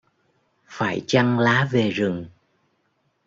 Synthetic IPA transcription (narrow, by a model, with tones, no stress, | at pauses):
faː˧˩jt͡ɕa˧ŋlaː˨˦ve˨˩zɨ˨˩ŋ